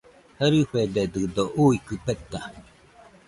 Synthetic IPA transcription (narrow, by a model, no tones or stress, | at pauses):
həɾɨɸed̪ed̪ɨd̪oʔuikɨpet̪ːa